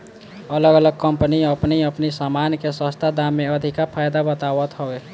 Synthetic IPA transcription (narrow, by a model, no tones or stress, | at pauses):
ələɡələɡ̚kəmpəniəpniəpnisamankesə̃st̪ʰad̪amːeəd̪ʱikapʰajd̪abət̪aʋət̪ɦɔɡe